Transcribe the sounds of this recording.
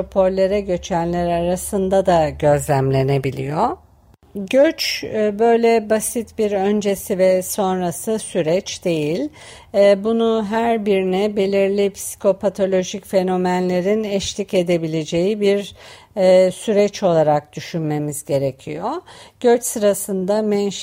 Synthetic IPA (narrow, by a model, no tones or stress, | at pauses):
opʰo̞ɾlʲe̞ɾɛɟø̞t͡ʃʰænlʲæɾaɾasɯnd̪ad̪aɟø̞zlʲæmlʲe̞ne̞bilʲḭjo | ɟøt͡ʃːbø̞jlʲɛbasit̪biɾønd͡ʒe̞sivɛso̞nɾasɯsyɾɛt͡ʃd̪̥e̞jilʲː | bunuɦæɾbiɾinɛbe̞lʲiɾlʲipʰsi̥kʰo̞pʰat̪ʰo̞lʲo̞ʒicfe̞no̞mænlʲe̞ɾinɛʃlʲice̞d̪e̞bilʲe̞d͡ʒe̞jibiɾ | syɾɛt͡ʃo̞lˠaɾak̚d̪̥yʃynme̞mizɟe̞ɾe̞cʰijo̞ɟ̥øt͡ʃsɯɾasɯnd̪amɛn